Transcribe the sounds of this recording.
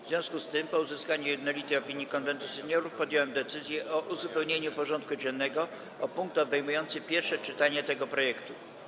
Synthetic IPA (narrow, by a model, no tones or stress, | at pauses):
vzvʲjɔ̃w̃skust̪ɘmpɔuzɘskaɲujɛd̪nɔlʲit̪ɛjɔpʲiɲjikɔnvɛnt̪usɛɲɔɾufpɔd̪jɔwɛmd̪ɛt̪sɘzʲjɛʔɔʔuzupɛwɲeɲupɔʐɔnt̪̚kud͡ʑɛnːɛɡɔ | ɔpuŋk̚t̪ɔbɛjmujɔnt̪sɘpʲjɛɾfʂɛt͡ʂɘt̪aɲɛt̪ɛɡɔpɾɔjɛkt̪u